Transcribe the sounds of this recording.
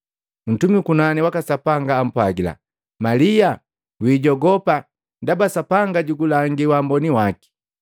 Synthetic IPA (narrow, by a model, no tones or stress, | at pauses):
n̩tumikunaniwakasapaŋɡaːm̩pwaɡila̰ | malija | wiːɟɔɡɔpa | dabasapaŋɡaɟuɡulaŋɡiwambɔniwaki̥